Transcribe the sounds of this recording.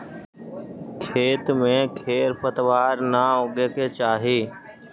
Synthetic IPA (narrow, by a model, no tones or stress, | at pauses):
kʰeːt̪mẽkʰeːɾpət̪ʋaːɾnaoɡeket͡ʃaːɦeː